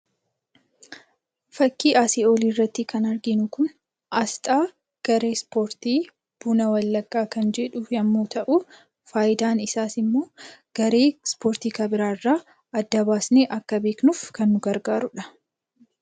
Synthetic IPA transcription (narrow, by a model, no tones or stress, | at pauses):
fɐkːiːʔaːsioːliːrːɐt̪ːɪkɐnɐɾɡɪnʊkʊn | ʔɐst̪ʼaː | ɡ̥ɐɾe̞ːspo̞ːɾt̪iː | b̥uːnɐwɐlːɐkʼːaːkɐnd͡ʒɛᶑʊjɐmːoːt̪ɐʔuː | faːjɪd̪aːnɪsaːsɪmːo̞ːɡ̥ɐɾe̞ːspo̞ːɾt̪iːkɐbɪɾaːɪrːaː | ɐd̪ːɐbaːsneːʔɐkːɐbe̞ːknʊfkɐnːʊɡɐɾɡaːɾʊᶑɐ̥